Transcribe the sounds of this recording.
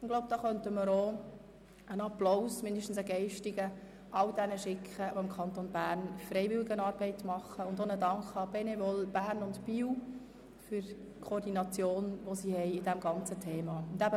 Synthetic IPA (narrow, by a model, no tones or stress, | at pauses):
ɪɡlowb̚d̥ɑːχœntəməɾo | ənɑplowsmɪndəʃtən̩səɡɛɪʃtɪɡə | ʔɑwd̥ɛnəʃɪkʰχəoɪmkʰɑnt̪onbæːɾnfɾɛɪʋɪlɪɡənɑːɾb̥ɛɪtmɑχːəʊnd̪onədɑŋkɑb̥ɛnevɔlb̥æːrnʊntpiw | fʏɾ | kʰoːɾdinɑt͡sjoːnʋosihɛjɪd̥æmɡɑnt͡sətʰeːmɑʊndæbə